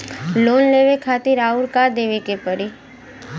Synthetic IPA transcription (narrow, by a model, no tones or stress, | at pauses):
loːnleːʋekʰaːt̪iɾaːʊɾkaːɾd̪eːʋikepəɾi